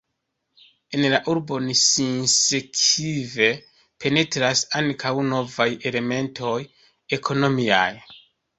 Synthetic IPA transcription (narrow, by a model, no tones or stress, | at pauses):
e̞nlaʔuɾbo̞nisinsekʰive̞ | pʰe̞ne̞tɾasaŋkʰawno̞vaje̞le̞me̞ntʰo̞j | e̞kʰo̞no̞mia̰j